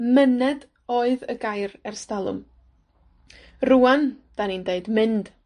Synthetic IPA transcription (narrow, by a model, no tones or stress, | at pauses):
mənɛd | ɔːɨðəɡajɾɛrstalˠʊ̰m | ruand̥anindeɨdmɪnd̥